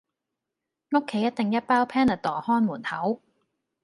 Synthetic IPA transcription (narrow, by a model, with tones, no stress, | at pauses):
ŋo˥kʰːe˨˥jɐ˥t̪̚e˨ŋjɐ˥t̚paː˥wpʰɛː˥nɐ˨t̪ɔː˨˩hɔː˥nmuː˨˩nhɐ˨˥w